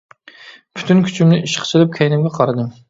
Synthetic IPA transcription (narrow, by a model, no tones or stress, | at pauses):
pʰy̥t̪ʰynkʲʰy̥t͡ʃʰymnɪʔiʃqʰt͡ʃʰɨlˠɪp̚kʲʰɛjnɪmɡʲɛqʰɑɾɨd̪ɨm